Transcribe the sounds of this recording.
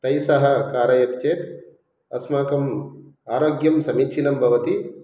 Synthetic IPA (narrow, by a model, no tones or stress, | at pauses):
t̪ɐjsɐɦɐ̆kaːɾɐjɐt̪t͡ʃeːt̪ | ɐ̰smaːkɐmaːɾoːɡjɐmsɐmikʃʰinɐmbʱɐʋɐt̪i